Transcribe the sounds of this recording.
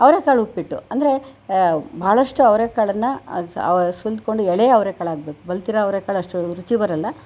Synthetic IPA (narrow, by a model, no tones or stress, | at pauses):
ɐʋɾeːkaːɭupːiʈːṵɐnd̪ɐɾe̞ | bʱaːɭɐʂʈuɐʋɾeːkaːɭɐnːɐ̰ | suld̪̚ko̞ɳɖuɛɭeːɐʋɾeːkaːɭaːɡ̚beːkubɐlt̪iɾɐɐʋɾeːkaːɭɐʂʈuɾut͡ʃibɐɾɐlːɐ